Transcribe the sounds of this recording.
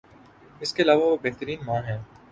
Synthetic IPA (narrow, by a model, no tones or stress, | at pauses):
ɪskeɐlaːʋaʋobeɦt̪əɾiːnmãːɦɛ̃ː